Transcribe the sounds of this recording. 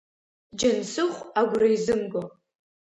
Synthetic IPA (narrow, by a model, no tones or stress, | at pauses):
d͡ʒansɨχʷaɡʷraizɨmɡo